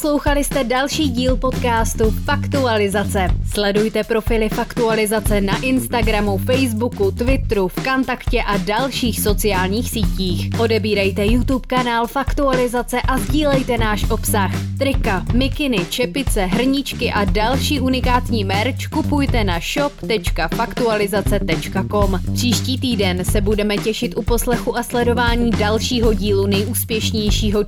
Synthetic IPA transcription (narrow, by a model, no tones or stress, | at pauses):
slo̞wxalɪst̪ɛdalʃiːɟiːlpo̞t̪kaːst̪ufakt̪ualɪzat͡sɛslɛdujt̪ɛpɾo̞fɪlɪfakt̪ualɪzat͡sɛnaʔɪnst̪aɡɾamufɛjzbukut̪vɪt̪ɾufkant̪akcɛʔadalʃiːxso̞t͡sɪaːlɲiːxsiːciːxʔo̞dɛbiːɾɛjt̪ɛjut̪upkanaːlfakt̪ualɪzat͡sɛʔazɟiːlɛjt̪ɛnaːʃʔo̞psaxt̪ɾɪkamɪkɪnɪt͡ʃɛpɪt͡sɛɦr̩ɲɪt͡ʃkɪʔadalʃiːʔunɪkaːt̪ɲiːmɛɾt͡ʃkupujt̪ɛnaʃo̞pt̪ɛt͡ʃkafakt̪ualɪzat͡sɛt̪ɛt͡ʃkako̞mpr̥iːʃciːt̪iːdɛnsɛbudɛmɛcɛʃɪt̪ʔupo̞slɛxuʔaslɛdo̞vaːɲiːdalʃiːɦo̞ɟiːlunɛjʔuːspjɛʃɲɛjʃiːɦo̞